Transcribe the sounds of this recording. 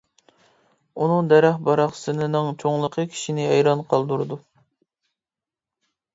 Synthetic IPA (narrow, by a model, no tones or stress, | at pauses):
unɨŋd̪ɛɾæχbɑɾɑχsɨnɨnɨŋt͡ʃʰoŋlˠəqʰəkʲʰi̥ʃinɪɛjɾɑnqʰɑlˠd̪uɾɨd̪u